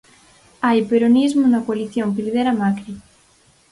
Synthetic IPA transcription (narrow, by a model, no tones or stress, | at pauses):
ajpeɾonizmunɐkwaliθjoŋkeliðeɾamakɾi